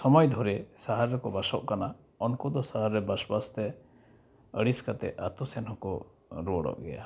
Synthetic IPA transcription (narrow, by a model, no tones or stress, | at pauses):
sɔmɔjd̪ʱɔɾɛsaɦaɾːɛkɔbasɔʔkana | ɔnkɔd̪ɔsaɦaɾːɛbasbast̪ɛ | əɽiskat̪ɛa̰t̪ɔsɛnhɔkɔ | ɾɔɔɽɔ̰ʔɡɛ̰ja̰